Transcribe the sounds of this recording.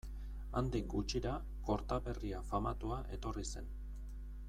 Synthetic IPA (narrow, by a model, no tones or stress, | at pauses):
a̰nd̪iŋɡut͡ʃiɾa | ko̞ɾt̪aβe̞riafama̰t̪uaʔe̞t̪o̞rise̞n